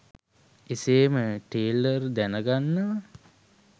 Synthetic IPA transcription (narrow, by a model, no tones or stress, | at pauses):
iseːməʈeːlərd̪ænəɡanːəʋə